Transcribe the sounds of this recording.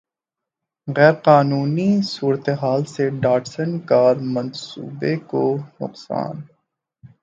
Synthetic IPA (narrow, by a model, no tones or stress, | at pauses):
ɣɛːɾqaːnuːnisuːɾət̪eɦaːlseɖaːʈsənkaːɾmɐ̃nsṵːbekonʊ̰qsa̰ːn